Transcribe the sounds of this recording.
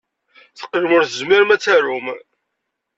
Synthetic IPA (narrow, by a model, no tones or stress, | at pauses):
θə̥qːʒmʊɾθəzmiɾmæt͡sːæɾum